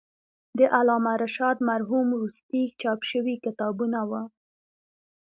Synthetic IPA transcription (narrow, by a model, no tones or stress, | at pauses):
d̪əʔalɑmaɾaʃɑd̪maɾɦumɾust̪it͡ʃɑpʃəwikɪt̪ɑbunawa